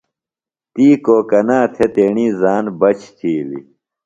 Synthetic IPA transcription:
t̪iːkoːkɐnãːt̪ʰet̪eːɳiːzaːnbɐt͡ɕʰt̪ʰiːlḭ

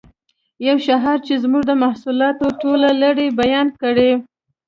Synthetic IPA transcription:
jawʃaɦɑɾt͡ʃezmuʐd̪əmahsulɑt̪oʈolaləɽebajɑnkəɽe

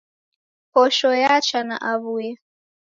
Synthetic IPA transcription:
pɔʃɔjat͡ʃana̰ʔaβujɛ

